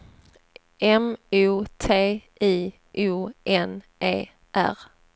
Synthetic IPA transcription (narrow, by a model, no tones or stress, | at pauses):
ɛmuːt̪ʰeːʔiː | ʔuːʔɛn | ʔeː | ʔæ̰ɾ